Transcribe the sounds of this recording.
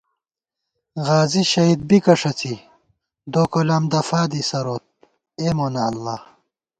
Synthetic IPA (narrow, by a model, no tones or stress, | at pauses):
ɣaːziɕɐid̪̚bikɐʂɐt͡si | d̪oːkolaːmd̪ɐfaːd̪isɐɾoːt̪̚ | eːmoːnɐːlːaː